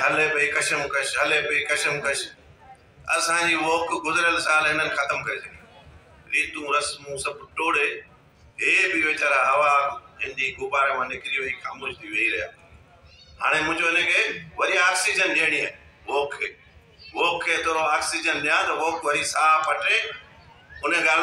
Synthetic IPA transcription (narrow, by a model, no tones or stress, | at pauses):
ɦɐlepɐikɐʃəmkɐʃɦɐlepɐikɐʃəmkɐʃ | ɐ̰sãd͡ʑiːʋoːkʰɡʊzɪɾjəlsãːlɪnənɪ̆xɐt̪əmkɐɾesʰɐɡi | ɾiːt̪ũɾɐsmũsɐbʈoːɽe | ɦeːbɪʋeːt͡ɕaːɾaɦɐʋaɪ̃nd͡ʑiɡʊbaːɾemãnɪkɪɾiʋɐixaːmoːʃt̪ʰiʋɐiɾɐɦjaː | ɦa̰ːɽ̃emʊ̃ɪ̃ɲd͡ʑoɪnə̃kʰeːʋɐɾijãːksid͡ʑənɗiəɽ̃iɦaː | ʋɔːkʰːeː | ʋoːkʰːeːt̪oːɾoaːksid͡ʑənɗɪjãt̪ɐʋoːkʋɐɾisaːpɐʈe | ʊnəɡaːl